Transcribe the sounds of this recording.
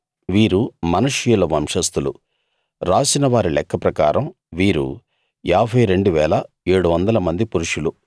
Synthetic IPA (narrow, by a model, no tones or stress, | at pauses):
ʋiːɾumɐnuʂijulɐʋɐmʂɐst̪ulṵ | ɾaːsinɐʋaːɾilɛkːɐpɾɐkaːɾɐm | ʋiːɾṵ | aːbʱɐjɾe̞ɳɖuʋɛːlɐ | eːɽuʋɐnd̪ɐlɐmɐnd̪ipuɾuʂulu